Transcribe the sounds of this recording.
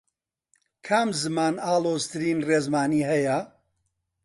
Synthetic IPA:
kʰamzɨmaːnaːlˠoːzt̪ʰɨɾiːnreːzmaːniːɦɛjɐ

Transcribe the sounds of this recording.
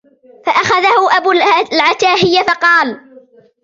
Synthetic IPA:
faʔaxaðahʊʔabulʕat̪aːɦɪjːafɑqɑːl

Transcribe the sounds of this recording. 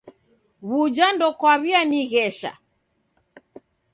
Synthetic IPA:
βud͡ʒandɔkwaβianiɣɛʃa̰

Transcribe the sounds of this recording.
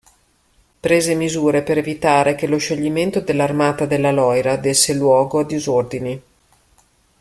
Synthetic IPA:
pɾeːzemizuːɾepeɾevit̪aːɾekeloʃːoʎːiment̪od̪elːarmaːt̪ad̪elːalɔjɾad̪esːelwɔːɡoad̪izord̪ini

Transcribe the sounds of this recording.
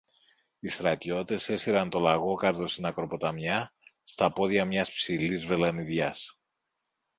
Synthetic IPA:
ist̪ɾɐt̪ʝo̞t̪e̞se̞siɾɐnt̪o̞lɐɣo̞kɐɾðo̞sinɐkɾo̞po̞t̪ɐmjɐst̪ɐpo̞ðʝɐmɲɐspsilizve̞lɐniðʝɐs

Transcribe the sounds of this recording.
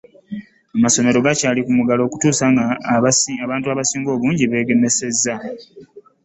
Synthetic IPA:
amaso̞me̞ɾo̞ɡacaːlikumuɡalo̞ːku̥tuːsaŋɡa | aβaːntuaːβasiːŋɡo̞ːβuːɲɟiβe̞ːɡe̞me̞se̞zːa

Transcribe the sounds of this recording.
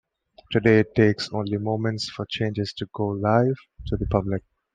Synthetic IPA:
tʰɨdeɪtʰːeːksõʊ̃nlimõːmɛ̃ntsfət͡ʃẽɪ̃nd͡ʒɪz̥tʰuɡoːlaɪv̥ | tʰuðəpʰʌblɪk̚

